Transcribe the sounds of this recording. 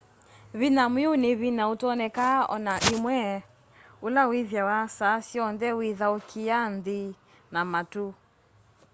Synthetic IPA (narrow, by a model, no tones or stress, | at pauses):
βinamwiunɪβinautɔnɛkaɔ̰naʔimwɛ | ulawiðjawasasiɔndɛwiðaukʰiandi | namatu